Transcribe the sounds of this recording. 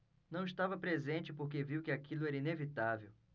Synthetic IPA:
nɐ̃w̃iʃt̪avɐpɾezẽnt͡ʃɪpoɾk̬eviwkɪakilʊɛɾɐinevit̪avḛw

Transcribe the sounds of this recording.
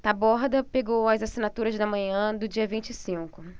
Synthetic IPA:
t̪abɔɦd̪ɐpeɡowɐzasinat̪uɾɐzd̪ɐmɐ̃ɲɐ̃d̪ʊd͡ʒiɐvĩnt͡ʃɪsĩkʊ

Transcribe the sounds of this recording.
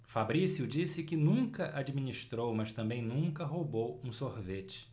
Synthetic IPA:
fabɾisjʊd͡ʒisɪkɪnũkɐʔad͡ʒimĩniʃt̪ɾowmɐst̪ɐ̃mbẽj̃nũkɐɦobowũsoɾvet͡ʃɪ̥

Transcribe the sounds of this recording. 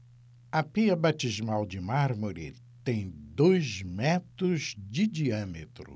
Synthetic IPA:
ɐpiɐbat͡ʃizmawd͡ʒɪmaɾmoɾḭ | t̪ẽj̃d̪ojzmɛt̪ɾʊzd͡ʒɪd͡ʒiɐ̃met̪ɾʊ̰

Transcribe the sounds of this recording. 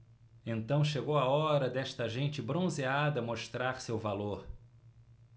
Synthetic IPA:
ẽnt̪ɐ̃w̃ʃeɡowaɔɾɐd̪ɛʃt̪ɐʒẽnt͡ʃɪbɾõzead̪ɐmoʃt̪ɾaɾsewvaloɾ

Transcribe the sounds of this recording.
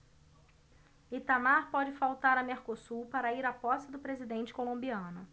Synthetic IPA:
it̪amaɾpɔd͡ʒɪfawt̪aɾɐmeɾkosupaɾɐiɾapɔsɪd̪ʊpɾezid̪ẽnt͡ʃɪ̥kolõmbiɐ̃nʊ

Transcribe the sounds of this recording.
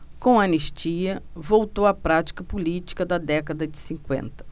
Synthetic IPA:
kõw̃ɐneʃt͡ʃiɐvowt̪owɐpɾat͡ʃi̥kɐpulit͡ʃi̥kɐd̪ɐd̪ɛkɐd̪ɐd͡ʒɪsĩkwḛ̃nt̪ɐ̥

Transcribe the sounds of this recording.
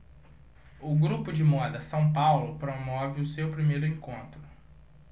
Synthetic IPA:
ʊɡɾupʊd͡ʒɪmɔd̪ɐsɐ̃w̃pawlʊpɾomɔvɪʊsewpɾimejɾʊẽŋkõnt̪ɾʊ

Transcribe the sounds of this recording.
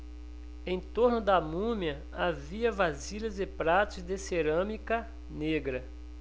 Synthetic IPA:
ẽj̃t̪oɾnʊd̪ɐmũmjɐ | aviɐvaziʎɐzɪpɾat̪ʊzd̪eseɾɐ̃mikɐ | neɡɾɐ

